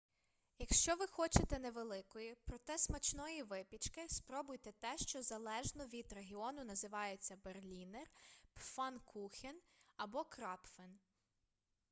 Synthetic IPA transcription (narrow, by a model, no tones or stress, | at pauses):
jɐkʃt͡ʃɔʋɪxɔt͡ʃet̪ɛneʋelˠɪkɔjipɾɔt̪ɛsmɐt͡ʃnɔjiʋɪpʲit͡ʃkɪspɾɔbʊjt̪ɛt̪ɛʃt͡ʃɔzɐlˠɛʒnɔʋʲid̪ɾeɦʲiɔnʊnɐzɪʋɑjet͡sʲːɐberlʲinerpfɑnkʰuxʲinɐbɔkɾɑpfen